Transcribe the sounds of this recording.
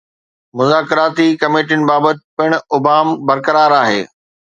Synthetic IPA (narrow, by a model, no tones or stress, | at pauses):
mʊzaːkɪɾaːt̪ikɐmeːʈiʊnɪ̆baːbət̪̚ɪpɪɽ̃ʊbaːmbɐɾkəɾaːɾaːɦḛː